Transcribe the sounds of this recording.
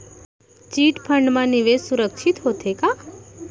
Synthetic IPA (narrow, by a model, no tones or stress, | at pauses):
t͡ʃiʈpʰəɳɖmãniʋessuɾəkʃʰit̪ɦot̪ʰeka